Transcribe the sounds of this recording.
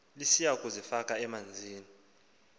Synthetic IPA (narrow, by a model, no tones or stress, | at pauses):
lisiakʼuzifakʼaɛmand͡zʱiːni